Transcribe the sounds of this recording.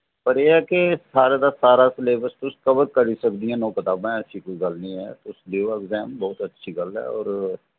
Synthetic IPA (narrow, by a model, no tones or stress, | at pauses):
pəɾjeːɦɛkesaːɾed̪asaːɾasleːbəɾst̪ʊskəbəɾkəɾisəkd̪iɛ̃ːnɔ̃ːkɪt̪aːbẽsikoɡəlniɦɛ̰ːt̪ʊsdeoɛɡzɛːmbɔːʊt̪ətːʃʰiɡəlɛ̰ɔ̰ːɾ